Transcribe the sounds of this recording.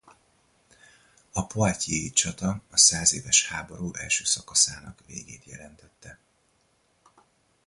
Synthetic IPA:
ɒpoacieit͡ʃɒt̪ɒɒsaːzeːvɛʃhaːbo̞ɾuːʔɛlʃøːsɒkɒsaːnɒkʋḛːɡeːt̪jɛ̰lɛnt̪ɛt̪ːɛ

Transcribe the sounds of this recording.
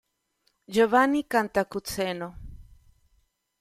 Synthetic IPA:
d͡ʒoβanikant̪akut͡seno

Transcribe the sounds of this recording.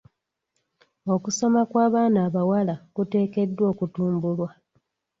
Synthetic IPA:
o̞kuso̞makwaːβaːnaːβawalakute̞ːke̞dːwo̞ːkutuːmbulwa

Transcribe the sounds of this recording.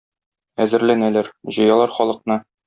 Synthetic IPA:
æzɘ̆ɾlænælæɾʑɤ̆jɑlˠɑɾχɒlˠɤ̆qnɤ

